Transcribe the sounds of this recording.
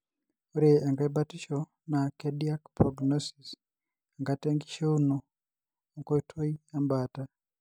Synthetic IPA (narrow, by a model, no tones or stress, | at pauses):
uɾeaŋɡaibatiʃo | nakediakpɾoɡnosis | aŋɡateŋɡiʃeuno | ŋkoitʰoiambaːta